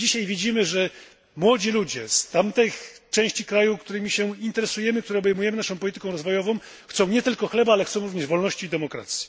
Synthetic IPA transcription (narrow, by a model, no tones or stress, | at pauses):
d͡ʑiɕajvʲid͡ʑimɘʐɛ | mwɔd͡ʑilud͡ʑɛst̪amt̪ɛjt͡ʂɛ̃w̃ɕt͡ɕikɾajukt̪uɾɘmʲiɕɛint̪ɛɾɛsujɛmɘk̚t̪uɾɛɔbɛjmujɛmɘnaʂɔ̃w̃pɔlʲit̪ɘkɔ̃w̃ɾɔzvɔjɔvɔ̃w̃ | xt̪sɔ̃w̃ɲɛt̪ɘlkɔxlɛbaalɛxt̪sɔ̃w̃ɾuvɲɛʐvɔlnɔɕt͡ɕiːd̪ɛmɔkɾa̰t̪sʲji̥